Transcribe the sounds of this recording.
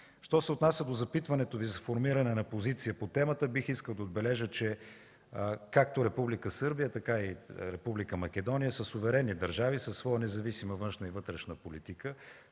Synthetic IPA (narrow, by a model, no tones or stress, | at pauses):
ʃt̪ɔsɛʊt̪nasʲəd̪ozɐpit̪vɐnɛt̪ovizɐfoɾmiɾɐnɛnɐpozit̪sijəpot̪ɛmət̪əbixiskəlˠd̪ɐod̪̚bɛlɛʒət͡ʃɛ | kak̚t̪oɾɛpublikəsɤɾbijət̪ɐkaiɾɛpublikəmɐk̟ɛd̪ɔnijəsəsovɛɾɛnːid̪ɐɾʒavisɐsːvɔənɛzɐvisiməvɤnʃnəivɤt̪ɾɛʃnəpolit̪ikə